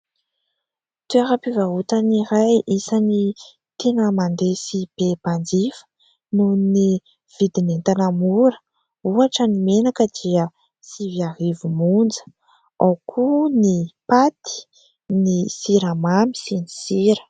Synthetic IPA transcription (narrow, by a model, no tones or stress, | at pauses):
t̪ueɾapivaɦut̪aniɾajisani | t̪ʰenəmand̪esib̥eband͡zifə̥ | nuni | v̥id̪inent̪anamuɾə̥ | uaʈ͡ʂənimenakəd̪iə | siviaɦivumund͡zə̥ | awkʰunipat̪i̥ | nisiɾamami̥sini̥siɾə̥